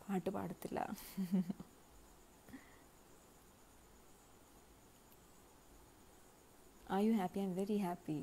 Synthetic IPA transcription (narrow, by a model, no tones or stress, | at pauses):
pʰaːʈːɯpa̰ːɽɯt̪ːɪla̰ː | ʔajuɦæːpiãɪ̃nʋɛɾiɦæːpi